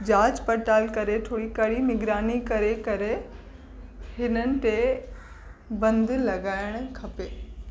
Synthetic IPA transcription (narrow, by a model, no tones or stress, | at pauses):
d͡ʑaːd͡ʑpɐʈaːlkɐɾeʈ̪ʰoːɽikɐɽimɪɡɾaːnikɐɾekɐɾe | hɪnənɪ̆t̪e | bɐ̃nd̪lɐɡaːɪɽ̃kʰɐpeː